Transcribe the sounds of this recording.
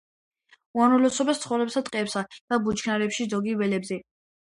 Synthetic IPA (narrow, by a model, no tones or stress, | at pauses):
uanulɔsɔbɛst̪sʰχɔvɾɛpsat̪ʼqʼɛpsad̪̥abut͡ʃʰkʰnaɾɛpʃizɔɡivɛlɛbzɛ